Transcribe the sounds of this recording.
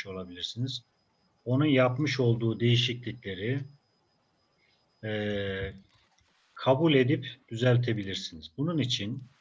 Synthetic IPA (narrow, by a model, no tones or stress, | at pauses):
o̞lˠabilʲiɾsiniz̥ | o̞nunjapmɯʃo̞lˠd̪uːd̪e̞jiʃiclʲicʲlʲe̞ɾi | ɛ | kʰabulʲe̞d̪ipd̪̥yzælʲt̪ʰe̞bilʲiɾsinizbununit͡ʃʰin